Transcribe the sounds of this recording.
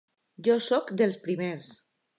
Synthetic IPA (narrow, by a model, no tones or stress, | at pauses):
ʒɔsɔkd̪elˠspɾimeɾs